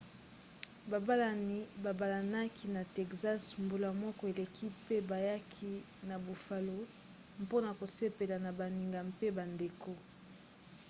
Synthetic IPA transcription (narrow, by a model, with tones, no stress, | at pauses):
ba˨ba˦la˨ni˨ba˨ba˨la˨na˦ki˦na˨tɛ˨kza˦smbo˨la˨mɔ˦kɔ˦e˨le˨kʰi˦pe˦ba˨ja˦kʰi˦ | na˨bu˨fa˨lo˦ | mpo˦na˨ko˨se˦pe˨la˨na˨ba˨ni˨ŋɡa˨mpe˦ba˨nde˨ko˦